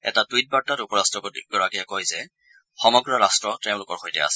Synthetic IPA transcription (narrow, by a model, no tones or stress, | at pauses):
ɛ̰tatwit̚baɹtatupɔɹastɹɔkɡ̥ɔɹakiɛkojzɛ | xɔmɔɡɹɔɹastɹɔtɛʊ̃lʊkɔɹxojtɛ̰a̰sɛ